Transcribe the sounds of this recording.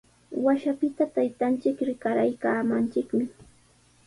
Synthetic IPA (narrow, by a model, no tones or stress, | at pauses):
waʃapɪt̪at̪ajt̪ant͡ʃɪkɾɪkaɾajkaːmant͡ʃɪkmɪ